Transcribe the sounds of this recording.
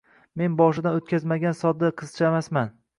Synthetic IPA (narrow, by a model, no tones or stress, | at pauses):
me̞nbɒʃɪd̪anot̪̚kʲazmaɡʲansɒd̪ːaqʰɨz̥t͡ʃʰaamasman